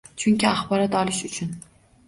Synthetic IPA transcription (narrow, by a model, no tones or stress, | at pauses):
t͡ʃʰʊŋʲkʲɪaχbɒɾat̪ɒlɪʃʊt͡ʃʰʊn